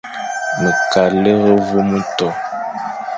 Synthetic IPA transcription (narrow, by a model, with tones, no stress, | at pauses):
mə˨ka˨le˦ɣə˦vo˦mu˦tɔ˨